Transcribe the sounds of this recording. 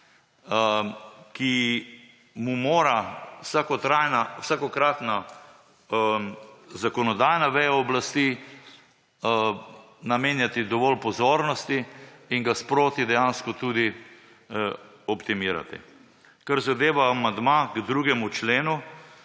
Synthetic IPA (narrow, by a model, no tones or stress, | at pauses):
ki | mumoːɾawsakɔt̪ɾajnawsakɔkɾat̪na | zakɔnɔd̪ajnaʋɛjaɔblast̪i | nameːnjat̪id̪ɔʋɔlpɔzoːɾnɔst̪iːŋɡaspɾoːt̪id̪ɛjanskɔt̪ud̪i | ɔpt̪imiːɾa̰t̪ḭ | kaɾzad̪eːʋaːmand̪maɡd̪ɾuɡɛmut͡ʃleːnu